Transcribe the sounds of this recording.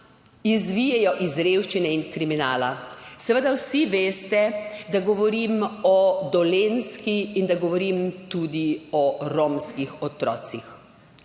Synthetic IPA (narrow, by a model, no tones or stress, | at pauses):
izʋijɛjɔʔizɾewʃt͡ʃinɛinkɾiminaːlasɛʋəd̪awsiʋeːst̪ɛd̪aɡɔʋɔɾimɔd̪ɔlenskiːnd̪aɡɔʋɔɾimt̪ud̪iɔɾomskixɔt̪ɾɔ̰ːt̪six